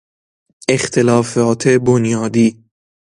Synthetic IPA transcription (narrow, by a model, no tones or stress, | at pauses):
ext̪ʰelɒːfɒːt̪ʰebonjɒːd̪iː